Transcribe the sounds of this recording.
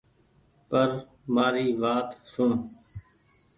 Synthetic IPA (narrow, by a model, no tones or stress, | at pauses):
pəɾ | maːɾiːʋaːt̪sʊɳ